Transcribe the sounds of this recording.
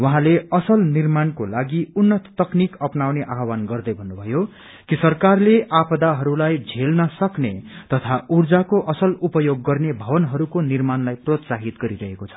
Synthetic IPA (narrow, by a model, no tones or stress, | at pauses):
wʌɦãleʌsʌlnirmankolaɡiunːʌt̪t̪ʌknikʌpnawneʔaɦwanɡʌrd̪ʌjbʱʌnːubʱʌjo | kisʌrkarleʔapʌd̪aɦʌɾulajd͡zʱelnʌsʌknet̪ʌt̪ʰaurd͡zakoʔʌsʌlupʌjoɡːʌrnebʱʌbʌnɦʌɾukonirmanlajprot̪saɦit̪ɡʌɾiɾʌɦekot͡sʰʌ̥